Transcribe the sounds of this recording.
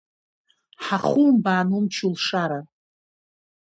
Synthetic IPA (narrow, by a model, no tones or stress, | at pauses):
ħaχumbaːnumt͡ʃʰulʂaɾa